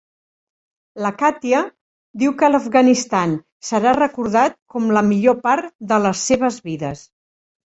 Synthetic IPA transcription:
ləkat̪iə | d̪iwkələfɣənist̪an | səɾarəkuɾð̞at̪̚kɔmləmiʎopaɾd̪ələsːeβəzβiðəs

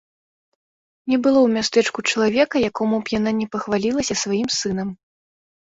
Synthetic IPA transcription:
nʲɛbɨlˠɔwmʲast̪ɛt͡ʂkut͡ʂɐlˠavʲɛkɐjakɔmupjan̪anʲɛpɐxvalʲilˠɐsʲɐsvajimsɨn̪ɐm

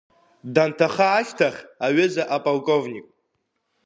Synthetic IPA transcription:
dantʰaχaːʃtʰaχʲaɥɪzaʔapʼalkʼo̞vnʲikʼ

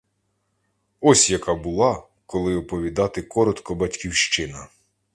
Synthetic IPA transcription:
ɔsʲjɐkɑbʊlˠɑ | kɔlˠɪɔpɔʋʲid̪ɑt̪ɪkɔɾɔt̪kɔbɐtʲkʲiwʃt͡ʃɪnɐ

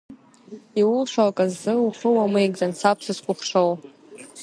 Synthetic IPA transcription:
iwʊlʂʷalkʼazːɨuχəwamejɡzant͡sʰap̚ʰsʰɨzqʷʼʊχʂow

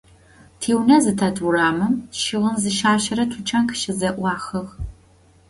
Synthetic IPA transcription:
tʰeːwnɐzɨtʰɐduraːmɨmʃɪʁənzɨʃaːɕɐɾɐtʰʊt͡ʃʰʼɐnkʰʃɪzɐʔʷɑːxɐʁ

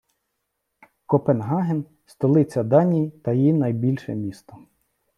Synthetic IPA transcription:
kɔpenɦɑɦen | st̪ɔlˠɪt͡sʲɐd̪ɑnʲijit̪ɐjinɐjbʲilʲʃɛ̰mʲist̪ɔ

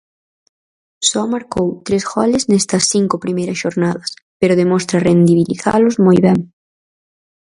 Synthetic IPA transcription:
sɔmaɾkowt̪ɾesɣɔlɪznɛst̪ɐsθiŋkʊpɾimejɾɐsʃoɾnaðɐspeɾʊðemɔst̪ɾɐrend̪iβilḭθa̰lʊzmojβɛŋ

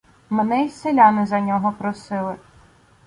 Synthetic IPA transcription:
menɛjselʲanɪzɐnʲɔɦɔpɾɔsɪlˠɪ

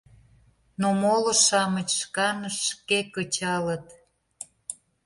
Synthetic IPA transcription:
nomoləʃɑmət͡ɕʃkɑnəʃːkekət͡ɕɑlə̆t̪

